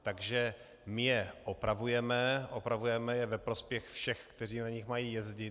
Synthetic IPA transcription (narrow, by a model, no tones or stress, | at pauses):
t̪aɡʒɛ | mɪjɛʔopɾʔavujɛmɛʔopɾavujɛmɛjɛvɛpɾo̞spjɛxfʃɛxkt̪ɛriːnaɲɪxmajiːjɛzɟɪ